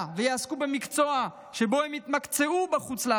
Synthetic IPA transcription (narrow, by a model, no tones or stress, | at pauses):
vejaaskube̞mikt͡so̞a | ʃe̞bo̞hemit̪makt͡seubaχut͡sla